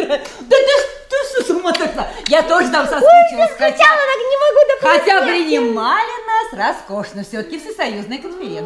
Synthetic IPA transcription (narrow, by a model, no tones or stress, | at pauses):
d̪əd̪əʂ | t̪ɨsɨd̪umət̪ɐkd̪ajat̪oʐət̪amsɐst͡ʃxɐalˠət̪aknʲɪmɐɡud̪ɐpxɐt̪ʲapɾʲɪnʲɪmalʲɪnasrɐsko̞ʂnəfsʲot̪ə̥kʲɪfsʲɪsɐjuznɨjəkənfʲɪɾʲen